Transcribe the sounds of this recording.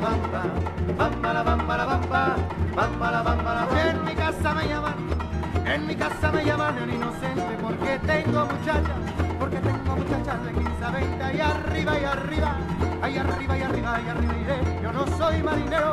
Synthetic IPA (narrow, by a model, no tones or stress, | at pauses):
βambabambalaβampalaβambaβambalaβambalaaeŋmikasamejamanoeŋmikasamejamanoninosẽnt̪epo̞ɾket̪eŋɡomut͡ʃat͡ʃa | poɾket̪e̞ŋɡomut͡ʃat͡ʃazðekisaβejnt̪eajariβajariβa | ajariβajariβajariβaðiɾeʝonõsojmaɾineɾo